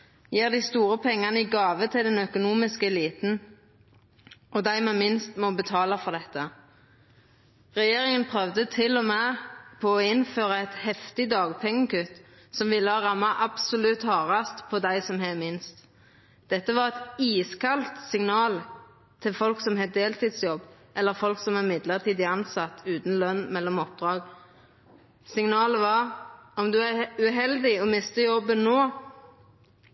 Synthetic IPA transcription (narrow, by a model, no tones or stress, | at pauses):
jiːʁd̪æɪst̪uːʁəpʰɛŋːɑnəiɡɑːʋət̪ʰɪld̪ɛnœkʊnuːmɪskəɛliːt̪n̩ | ɔd̪æɪmɛmɪnst̪mɔbət̪ʰɑːləfɔʁd̪ɛt̪ːə | ʁɛjeːʁɪŋənpʰʁœʋd̪ət̪ʰɪlːɔmeːpʰɔːɪnføːʁəɛt̪hɛft̪ɪd̪ɑːɡpʰɛŋːəkʉt̪ | sɔmʋɪlːəɔʁɑmːɑʔɑbsʊlʉt̪hɑːʁɑst̪pʰɔd̪æɪsɔmhɛmɪnst̪ | d̪̥ɛt̪ːəʋɑʁɛt̪iːskʰɑlt̪sɪŋnɑːl | t̪ʰɪlfɔlksɔmhɛd̪eːlt̪ʰiːd̪sjɔbː | ʔɛlːəʁfɔlksɔmæʁɪmɪd̪ləʁt̪ʰiːd̪ɪɑnsɑt̪ːʉːt̪n̩lœnːmɛlːɔmɔp̚d̪ʁɑːɡ | sɪŋnɑːləʋɑʁɔmd̪ʉæɾʉɦɛld̪ɪɔmɪst̪əjɔbːənːoː